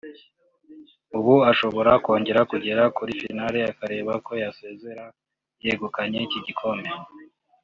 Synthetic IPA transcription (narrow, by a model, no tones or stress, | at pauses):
uβuaʃo̞βo̞ɾako̞ːɲɟe̞ɾakuɟe̞ɾakuɾifḭnaːɾeakaɾe̞ːβako̞jase̞ːze̞ɾa | jeɡukaɲeciɟikʰo̞me